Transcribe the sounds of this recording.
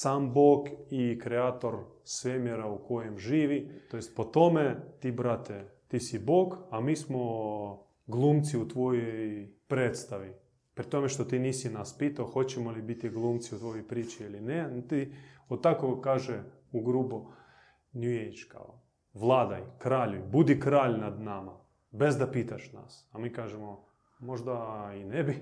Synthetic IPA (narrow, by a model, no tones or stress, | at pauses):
saːmboːɡikɾeaːt̪o̞ɾ | sʋemjeɾauko̞jemʒiːʋitt̪ojest̪po̞t̪o̞met̪ibɾat̪et̪isiboːɡamiːsmo | ɡlˠumt̪siut̪ʋo̞jojpɾeːt̪st̪aʋi | pɾit̪o̞meʃt̪o̞t̪iːniːsinaspiːt̪aoxo̞t͡ɕemolibit̪iɡlˠuːmt̪siut̪ʋojojpɾiːt͡ʃiilinent̪iot̪t̪ːakokaːʒɛ | uɡɾuːbo | nuejt͡ʃka̰o | ʋlˠaːd̪ajkɾaːʎujbud̪ikɾaːʎnad̪nama | be̞zd̪apiːt̪aʃna̰samiːkaːʒemo | mo̞ʒd̪ainebi